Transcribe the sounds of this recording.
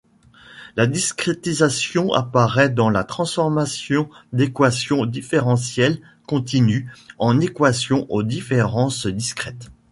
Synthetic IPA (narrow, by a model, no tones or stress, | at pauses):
lad̪iskχet̪izasjɔ̃a̰paʁɛd̪ɑ̃lat̪χɑ̃sfɔʁmasjɔ̃d̪ekwasjɔ̃d̪ifeʁɑ̃sjɛl | kɔ̃t̪inyɑ̃nekwasjɔ̃ʔod̪ifeʁɑ̃sd̪iskχɛt̪